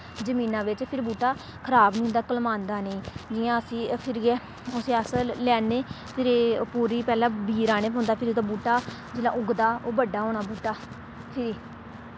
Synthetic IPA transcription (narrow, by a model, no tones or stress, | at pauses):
d͡ʒəmiːnãːʋɪt͡ʃpʰɪɾbuːʈaː | kʰəɾaːbnĩːnd̪aːkəlmãːnd̪aːnẽːd͡ʒɪjãːəsĩːpʰɪɾiɛː | ʊseːəsəlɛːneː | pʰɪɾeːpuːɾiːpɛːlãːbiːɾaːñeːpoʊːnd̪aːpʰɪɾioːd̪aːbuːʈaː | d͡ʒɪlã̰ːʔʊɡd̪aːoːbəɖːaːɦoːɽaːbuːʈaː | pʰɪɾiː